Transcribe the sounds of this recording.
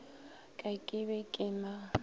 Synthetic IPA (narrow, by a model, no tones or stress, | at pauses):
kʼakʼɪβɛkʼɪma